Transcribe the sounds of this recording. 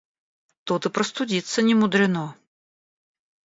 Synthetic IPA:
t̪ut̪ɨpɾəst̪ʊdʲit̪sənʲɪmʊd̪ɾʲɪnɔ

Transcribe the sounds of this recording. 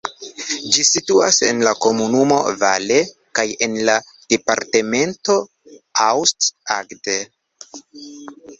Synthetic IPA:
d͡ʒisituase̞nlako̞munumo̞̰vale | kaje̞nla | d̥epa̰ɾte̞me̞nto̞ | awstaɡde

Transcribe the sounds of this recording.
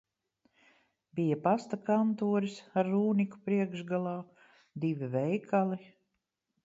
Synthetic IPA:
bijapast̪akant̪uːɾisaɾːuːnʲiku̥pɾiɛɡʒɡalˠaː | d̪ivʲivɛjkʰalˠi

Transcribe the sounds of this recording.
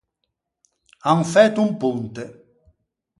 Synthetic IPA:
aŋfɛt̪ːumpunt̪e

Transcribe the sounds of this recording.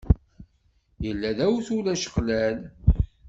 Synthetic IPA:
jəlːæðæwθulæʃə̥qlæl

